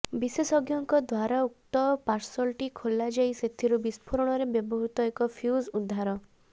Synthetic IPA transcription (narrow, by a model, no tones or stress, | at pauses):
bisesɔɡjɔŋkɔd̪waɾauk̚t̪ɔpaɾsɔlʈikʰolːad͡ʒajset̪ʰiɾubispʰɔɾɔɽ̃ɔɾebjɔbɔɦut̪ɔekɔpʰjuzud̪ʱːaɾɔ